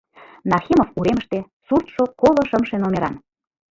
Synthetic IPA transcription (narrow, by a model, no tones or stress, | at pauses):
nɑrxʲimofuɾeməʃt̪e | surt̪ʃokolŏʃəmʃenomeɾɑ̰n